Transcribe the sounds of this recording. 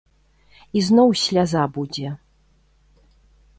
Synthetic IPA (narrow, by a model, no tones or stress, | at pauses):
iznɔwsʲlʲazabud͡zʲɛ